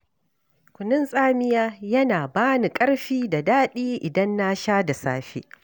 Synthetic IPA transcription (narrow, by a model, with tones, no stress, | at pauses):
kʷʊ˨nɪ˦nsʼaː˦mɪ˦jaː˦jɐ˦naː˨baː˦ni˨kʼɐ˦ɽɸiː˦da˨daː˦ɗiː˦ʔɪ˨dɐ˦nːa˦ʃaː˦da˨saː˦ɸḛː˦